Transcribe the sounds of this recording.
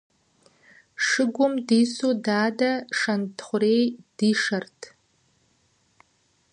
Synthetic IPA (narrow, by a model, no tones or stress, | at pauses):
ʂɨɡʷʊmdisodaːdaʂantʰχʷʊrejd̥iʂartʰʼ